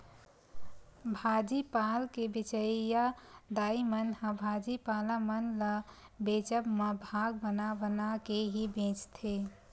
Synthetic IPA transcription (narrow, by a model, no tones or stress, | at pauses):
bʱad͡ʒipaːlkebɪt͡ʃəijad̪aːimənhə̃bʱad͡ʒipalamənlə | beːt͡ʃəbmebʱaːɡ̚bənabənakeɦibẽt͡ʃt̪ʰe